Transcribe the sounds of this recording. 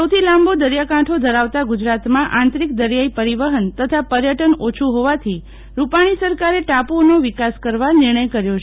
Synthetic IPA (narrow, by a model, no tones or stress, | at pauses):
səwt̪ʰilãmbod̪əɾjakãʈʰod̪ʱəɾaʋt̪aɡud͡ʒɾat̪mãʔãnt̪ɾik̚d̪əɾjaipəɾiʋəɦənt̪ət̪ʰapəɾjəʈənot͡ʃʰuɦoʋat̪ʰi | ɾupaɽ̃isəɾkaɾeʈaponoʋɪkaskəɾʋanɪɾɳ̃əjkəɾjot͡ʃʰ